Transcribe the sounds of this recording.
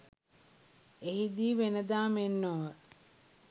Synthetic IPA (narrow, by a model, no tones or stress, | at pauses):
eɦid̪iːʋenəd̪aːmenːoːʋə